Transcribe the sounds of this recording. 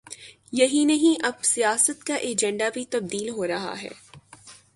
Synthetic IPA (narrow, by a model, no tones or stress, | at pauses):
jɐɦinɐɦĩʔɐb̚sijaːsət̪kaʔeːd͡ʒɛ̃ɳɖabʱit̪ɐb̚d̪iːlɦoːɾɐɦa̰ɦɛ̰ː